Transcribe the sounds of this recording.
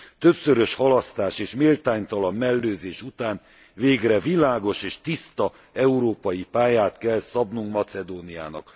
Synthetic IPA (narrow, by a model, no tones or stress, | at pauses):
t̪øpsøɾøʃhɒlɒst̪aːʃeːʃmeːlt̪aːɲt̪ɒlɒmːɛlːøːzeːʃut̪aːn | veːɡrɛvilaːɡo̞ʃeːʃt̪ist̪ɒ | ɛuɾoːpɒjipaːjaːt̪kɛlsɒbnuŋkmɒt̪sɛd̪oːnia̰ːnɒ̰k